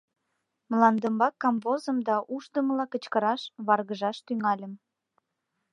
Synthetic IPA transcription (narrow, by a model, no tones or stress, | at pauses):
məlɑnd̪əmbɑkːɑmvozəmd̪ɑʔuʃd̪əməlɑkət͡ɕkəɾɑʃβɑrɣəʒɑʃt̪yŋɑlʲəm